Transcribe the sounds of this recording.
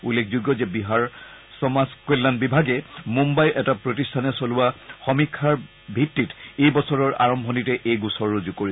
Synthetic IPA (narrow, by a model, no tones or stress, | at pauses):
ulːekʰzuɡjɔzɛbiɦaɹsɔmaskelːanbibʱaɡɛmumbajʔɛtapɹotistʰanɛsoluwaxɔmikʰːaɹ | bʱitːitejbɔsɔɹɔɹʔa̰ɹɔmbʱɔnitɛʔejɡusɔɹuzukoɹi